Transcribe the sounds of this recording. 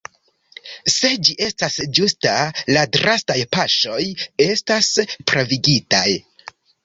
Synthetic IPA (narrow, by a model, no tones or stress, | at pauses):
se̞d͡ʒiʔe̞stasd͡ʒustaladɾastajpaʃo̞je̞staspɾoviɡitaj